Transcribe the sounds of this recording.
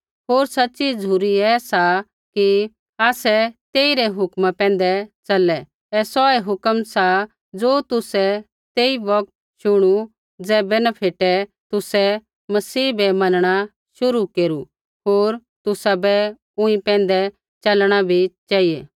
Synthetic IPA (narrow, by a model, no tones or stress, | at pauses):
ɦoːɾsɐtːt͡ʃid͡zuːɾiɛːsa | ki | aːsɛt̪eːiɾɛɦʊkmapɛ̃ːn̆d̪ɛt͡ʃɐlɛ | ɛsɔɛɦʊkəmsa | d͡zoːt̪ʊsɛ | t̪eːiʋɐk̚t̪̚ | ʃʊɽ̃u | d͡zɛːbɛnapʰeːʈɛt̪ʊsɛ | mɐsiːbɛmɐnəɽ̃a | ʃʊɾukeːɾu | ɦoːɾt̪ʊsabɛ | ʊ̃ĩpɛ̃ːn̆d̪ɛ | t͡ʃɐlɽ̃abʱit͡ʃaːijeː